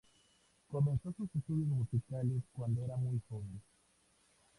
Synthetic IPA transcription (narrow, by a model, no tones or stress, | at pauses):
ko̞mẽ̞nsosusest̪uðjosmusikaleskwand̪oeɾamujfond̪e